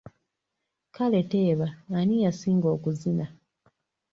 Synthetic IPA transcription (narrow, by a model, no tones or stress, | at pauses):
kale̞te̞ːβaːnijasiːŋɡo̞ːkuzina